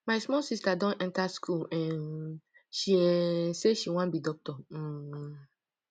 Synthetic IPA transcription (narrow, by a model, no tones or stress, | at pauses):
majsmɔlsistadɔ̃nʔɛ̃ntaskʰulɛ̃n | ʃiɛseʃiwãnbidɔk̚tɔ